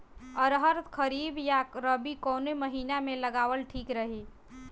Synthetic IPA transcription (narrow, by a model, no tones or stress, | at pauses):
əɾɦəɾt̪kʰəɾiːbjaɾəbikɔːneməɦiːnamẽləɡaːʋəlʈʰiːkɾəɦiː